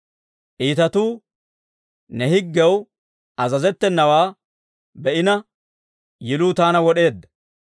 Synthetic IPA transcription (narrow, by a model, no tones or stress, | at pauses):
ʔiːt̪ɐt̪uː | nɛhɪɡːɛw | ʔɐzɐzɛt̪ːɛnːɐwaː | bɛʔɪnɐ | jɪluːt̪aːnɐwɔɗe̞ːd̪ːɐ